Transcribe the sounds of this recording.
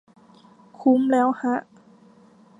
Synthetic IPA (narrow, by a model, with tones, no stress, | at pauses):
kʰu˧˥˦mlɛː˦˥wha˧˥ʔ